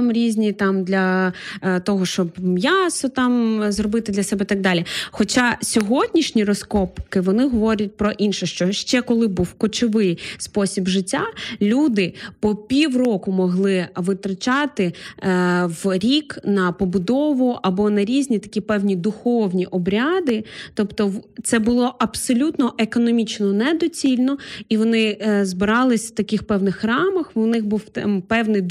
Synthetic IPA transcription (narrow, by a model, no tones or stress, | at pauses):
mɾʲizʲnʲit̪ɑmd̪lʲɐ | t̪ɔɦɔʃt͡ʃɔbmjasɔt̪ɑmzrɔbɪt̪ɪd̪lʲɐsɛbɛt̪ɐɡ̚d̪ɑlʲixɔt͡ʃasʲɔɦɔdʲnʲiʃnʲirɔskɔpkɪʋɔnɪɦɔʋɔɾʲɐt̚ʲpɾɔʔinʃɛʃt͡ʃɔʃt͡ʃɛkɔlˠɪbuwkɔt͡ʃɔʋɪjspɔsʲibʒɪtʲːalʲud̪ɪpɔpʲiwrɔkʊmɔɦlˠɪʋɪt̪ɾɐt͡ʃɑt̪ɪ | ʋɾʲiknɐpɔbʊd̪ɔʋʊʔɐbɔnɐɾʲizʲnʲit̪ɐ̥kʲipɛwnʲid̪ʊxɔwnʲiʔɔbɾʲɑd̪ɪt̪ɔpt̪ɔt̪sɛbʊlˠɔʔɐbsɔlʲut̪nɔʔekɔnɔmʲit͡ʃnɔnɛd̪ɔt͡sʲilʲnɔiʋɔnɪzbɪɾɑlˠɪsʲft̪ɐkɪxpɛwnɪxrɑmɐxʊnɪxbuw̪pɛwnɪ